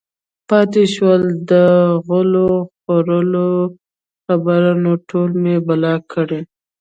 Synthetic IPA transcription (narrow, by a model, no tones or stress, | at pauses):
pɑt̪eʃwəld̪əɣəloxoɾəlo | xabaɾɑnoʈʰolmebalɑkʰəɽe